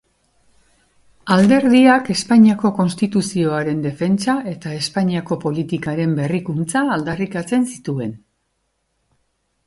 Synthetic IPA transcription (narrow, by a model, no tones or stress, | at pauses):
ald̪e̞ɾðiake̞spaɲiako̞ko̞nst̪it̪usio̞aɾe̞nd̪e̞fe̞nt͡sae̞t̪ae̞spaɲiako̞po̞lit̪ikaɾe̞mbe̞rikunt͡saːld̪arikat͡se̞nsi̥t̪ue̞n